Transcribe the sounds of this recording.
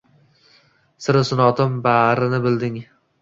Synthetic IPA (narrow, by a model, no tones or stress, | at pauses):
sɪɾɪsʊnɒt̪ʰɪmbaɾɪnɪbɪld̪ɪŋ